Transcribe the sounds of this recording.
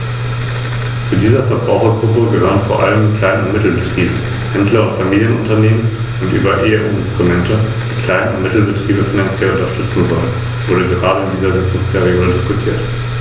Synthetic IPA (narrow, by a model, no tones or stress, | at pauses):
t͡sudiːzɐfɛɐbʁa̰ʊxɐɡʁʊpəɡəhøːʁənfoːɐʔa̰ləmkʰl̥aɪnəʊntmɪtl̩bətʁ̥iːbə | hɛndlɐʊntfamiːljənʔʊntɐneːmən | ʊntʔy̰ːbɐʔeːəʔuːɪnstʁ̥umɛntə | d̥iːkʰl̥aɪnəʊntmɪtl̩bətʁ̥iːbəfinant͡sjɛlʊntɐʃtʏt͡sn̩vɔlən | vʊɐdəɡəʁaːɾəɪndiːzɐzɪt͡sʊŋspʰɛʁ̞ioːdədɪskʊtʰiːɐt